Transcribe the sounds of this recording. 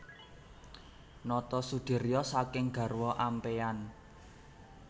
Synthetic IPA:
nɔt̪ɔsud̪̥e̤ɾijɔsakɪŋɡ̥a̤rwɔʔampean

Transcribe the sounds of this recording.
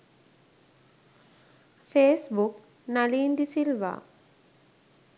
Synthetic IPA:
feːsbuk | naliːnd̪isilʋa̰ː

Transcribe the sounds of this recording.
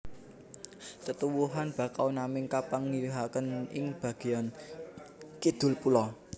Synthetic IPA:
t̪ət̪uwuɦanb̥a̤kawnamɪŋkapaŋːiliɦakənɪ̰ŋb̥ä̤ɡ̥i̤an | kid̪̥ʊ̤lpulɔ

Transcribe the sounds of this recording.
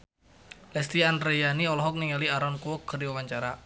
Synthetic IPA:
lɛst̪ianrɾejaniɔlɔɦɔk̚niŋaliaɾɔnkuwɔkːərdiwawaɲt͡ʃaɾa

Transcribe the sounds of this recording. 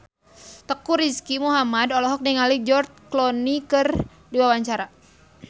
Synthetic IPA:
t̪əkuɾiskimuɦamadɔlɔɦɔk̚niŋalid͡ʒɔrt͡ʃklɔnikɨr | diwawaɲt͡ʃaɾa

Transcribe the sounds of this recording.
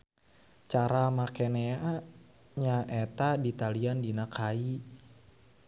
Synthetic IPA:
t͡ʃaɾamakenea | ɲaʔɛt̪adit̪aliandinakʰai

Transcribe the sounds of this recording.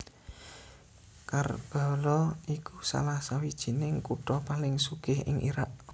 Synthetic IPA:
karb̥a̤lɔʔikusa̰lahsawid̥ʒ̥i̤nɪŋkuʈɔpalɪŋsuɡ̥ɪ̤ɦɪ̰ŋʔḭɾaʔ

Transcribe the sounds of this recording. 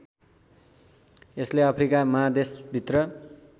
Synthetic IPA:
esleʌpʰrikamʌɦad̪esbʱit̪rʌ

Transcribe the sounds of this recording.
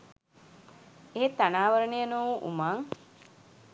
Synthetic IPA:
eɦet̪ːanaːʋəɾənejənoʋuʔṵmaŋ

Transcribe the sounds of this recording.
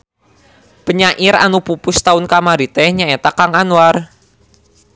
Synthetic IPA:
pəɲaʔɪɾa̰nupupʊst̪aʊnkamaɾit̪ɛhɲaet̪akaŋanwar

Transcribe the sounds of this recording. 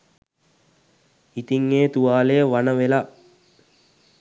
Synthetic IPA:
it̪iŋːeːt̪uʋaːlejəʋanəʋela

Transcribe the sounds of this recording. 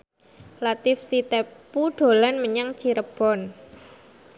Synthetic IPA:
lat̪ɪfsit̪epuɖ̥o̤lanməɲaŋt͡ʃiɾəb̥ɔ̤n

